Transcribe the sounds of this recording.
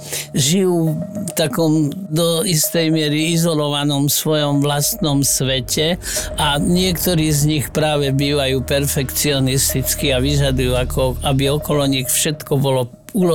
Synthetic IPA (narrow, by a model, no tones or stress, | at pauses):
ʒijuːt̪akɔmd̪ɔist̪ɛjmɪɛɾiizɔlɔʋanɔmsʋɔjɔmʋlast̪nɔmsʋɛcɛʔaɲɪɛkt̪ɔɾiːzɲixpɾaːʋɛbiːʋajuːpɛɾfɛkt͡siɔnist̪it͡skiaʋiʒad̪ujuːakʰɔabiɔkɔlɔɲixfʃɛt̪kɔbɔlɔ | ulɔ